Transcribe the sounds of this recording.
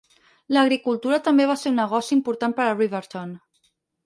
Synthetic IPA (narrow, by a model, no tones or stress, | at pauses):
ləɣ̞ɾikulˠt̪uɾət̪əmbeβ̞aseunːəɣɔsiimpuɾt̪ampəɾəriβəɾt̪on